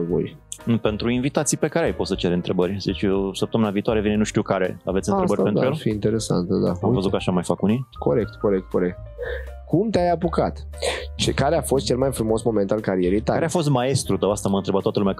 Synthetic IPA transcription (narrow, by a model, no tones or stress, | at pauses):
vo̰jpe̞nt̪ɾuinvit̪at̪sijpe̞kaɾeajpot̪sət͡ʃeɾɨnt̪ɾe̞bəɾʲzit͡ʃsəp̚t̪əmɨnaviːt̪oaɾe̞vinenuʃt̪iukaɾe̞̰avet̪ʲɨnɾebəɾpend̪aujelfiint̪eɾesa̰nt̪əd̪a̰amvəzut̪kaʃamajfakuniko̞ɾek̚t̪koɾek̚t̪̚ko̞ɾek̚t̪kumt̪eajapukat̪ | t͡ʃekaɾeafo̞st̪̚t͡ʃelmajfɾumo̞smo̞ment̪alkaɾijeɾijt̪akaɾeafos̬t̪̚mae̞st̪ɾut̪əwast̪aməɨnɾebat̪ːwat̪əlumʲea